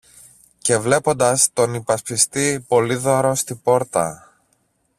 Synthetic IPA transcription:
ce̞vle̞po̞nd̪ɐst̪o̞nipɐspist̪ipo̞liðo̞ɾo̞st̪ibo̞ɾt̪ɐ̰

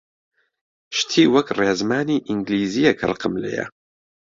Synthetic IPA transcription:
ʃt̪ʰiːwɐkreːzmaːniːʔiŋɡliːzijɛkʰɨ̰rqɨmlḛjɛ̰

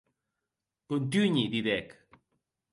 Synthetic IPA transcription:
kunt̪̬uɲid̪iðek

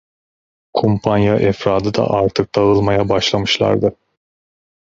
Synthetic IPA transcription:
kʰompʰanjaʔɛfɾaːd̪ɯd̪a̰ʔaɾt̪ʰɯk̚d̪̥aɯlˠmajabaʃlˠamɯʃlˠa̰ɾd̪ɯ

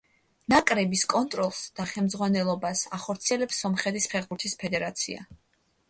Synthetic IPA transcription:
nakʼɾɛbiskʼɔnt̪ʼɾɔlˠsd̪̥aχɛmd̪zʁwanɛlˠɔbasaχɔɾt̪sʰiɛlɛpsːɔmχɛt̪ʰispʰɛχbuɾt̪ʰispʰɛd̪ɛɾat̪sʰḭa̰

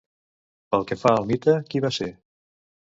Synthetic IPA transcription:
pəlˠkəfaəlˠmit̪əkiβase

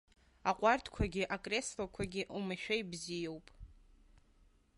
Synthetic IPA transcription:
aqʷʼartʰkʷʰaɡʲɪʔakʼre̞slakʷʰaɡʲɪʔlmɨʃᶣajbzijowpʼ

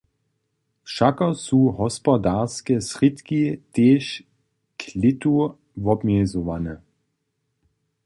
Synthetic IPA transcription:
ʃakɐsuːɦɔspɔdaʁskɛsʁitkiteːʃ | kʰlɪtu | vɔbmjɛzɔʋanɛ

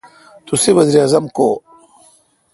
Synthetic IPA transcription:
t̪useʋɐziɾjaːzɐmko

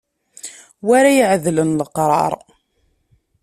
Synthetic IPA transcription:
waɾajəʕðlənləqɾˤɑ̰ɾˤ

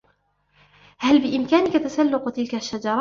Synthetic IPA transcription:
halbɪʔɪmkaːnɪkat̪asalːʊqt̪ɪlkaʃːad͡ʒɑɾˤɑː

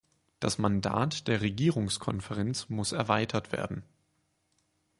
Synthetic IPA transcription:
d̥asmanda̰ːtd̥eːɐʁeɡiːʁʊŋskʰɔnfɛʁɛnt͡smʊsɛɐvaɪtʰɐtv̥ḛːɐdn̩

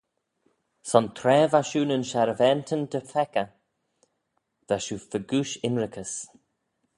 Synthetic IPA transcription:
sɔnt̪ʰɾɛːvaʃuːnənʃaɾəvɛːnt̪ʰənd̪əfɛkə | ðaʃuːfəɡuːʃɪnɹɪkʰəs

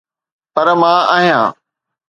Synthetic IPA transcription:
pɐɾmãːaːɦijãː

